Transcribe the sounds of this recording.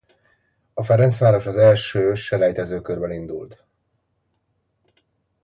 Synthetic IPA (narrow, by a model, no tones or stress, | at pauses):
ɒfɛɾɛnt̪sʋaːɾo̞ʃɒzɛlʃøːʃɛlɛjt̪ɛzøːkørbɛlind̪ṵlt̪